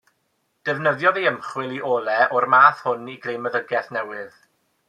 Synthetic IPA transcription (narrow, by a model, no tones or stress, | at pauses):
d̥ɛvnəðjɔðeəmχwɪlˠiʔɔːlˠɛʔɔrmaːθhʊniɡrejməðəɡɛθnɛwɨð̥